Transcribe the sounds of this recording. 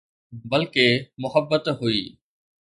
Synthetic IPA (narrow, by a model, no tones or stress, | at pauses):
bɐlkemʊɦəbːət̪ɦuiː